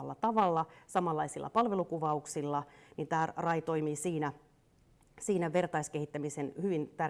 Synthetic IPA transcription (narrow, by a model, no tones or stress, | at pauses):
lːɑt̪ɑʋɑlːɑsɑmɑlːɑisilːˑʔɑ̰pɑlʋelukuʋɑuksilːɑnint̪æːrɑjt̪o̞imiːsiːnæ | siːnæʋert̪ɑiskehit̪ːæmisenhyʋint̪ær